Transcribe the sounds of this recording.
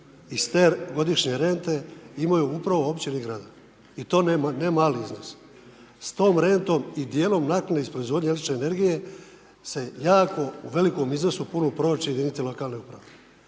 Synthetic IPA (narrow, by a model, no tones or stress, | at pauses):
ist̪eːɡo̞d̪iʃɲe̞ɾe̞nt̪e̞imajuupɾaʋo̞opt͡ɕeniɡɾaːd̪a | it̪o̞ːnnemaːliiznos | st̪o̞ːmɾe̞nt̪o̞mid̪jeːlo̞mnakneispɾoizʋo̞d̪ɲaelet͡ʃneːne̞ɾɡije̞ | se̞jaːko̞uʋe̞liko̞miznosupunupɾo̞ːt͡ʃejed̪init̪ilo̞kaːlneupɾaʋe